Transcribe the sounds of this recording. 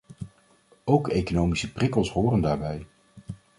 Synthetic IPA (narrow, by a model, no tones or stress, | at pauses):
owkejkonowmisəprɪkəlˠsɦoːrəndaːɹbɛj